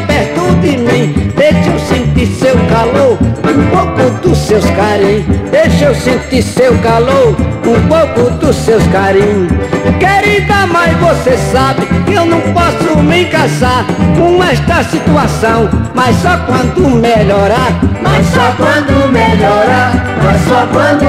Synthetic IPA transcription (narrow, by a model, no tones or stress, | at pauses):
peɾt̪ud̪ɪmĩd̪̥ejʃewsẽnt̪isewkaloɾũpowkʊd̪ʊsewskaɾĩɲʊd̪ejʃewsẽnt̪iɾsewkaloɾũpowkʊd̪ʊsewskaɾĩɲʊskeɾid̪amajzvosesabɪkɪewnɐ̃w̃pɔsʊmẽkasaɾkõɛʃt̪ɐsit̪uasɐ̃w̃majssɔkwɐ̃nd̪ʊmeʎɔɾamajssɔkwɐ̃nd̪ʊmeʎɔɾamassɔkwɐ̃d̪ʊ